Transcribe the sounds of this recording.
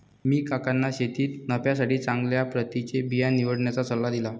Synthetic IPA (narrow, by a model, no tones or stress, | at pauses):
miːkakanːaɕet̪iːt̪nəpjas̬aʈiːt͡saŋɡljapɾət̪it͡ɕebijaniʋəɽɳjat͡sat͡səlːad̪ila